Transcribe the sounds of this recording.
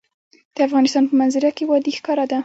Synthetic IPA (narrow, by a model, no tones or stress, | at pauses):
d̪̥əafɣɑnɪst̪ɑnpəmanzaɾakewɑd̪exkɑɾad̪a